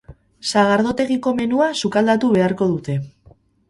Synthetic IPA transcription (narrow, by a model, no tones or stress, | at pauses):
saɣaɾðo̞t̪e̞ɣiko̞me̞nuasukald̪at̪uβe̞aɾko̞ð̞ut̪e̞